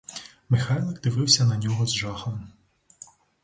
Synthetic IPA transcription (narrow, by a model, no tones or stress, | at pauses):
mɪxɑjlˠɐkd̪ɪʋɪwsʲɐnɐnʲɔɦɔzʒɑxɐlˠɐm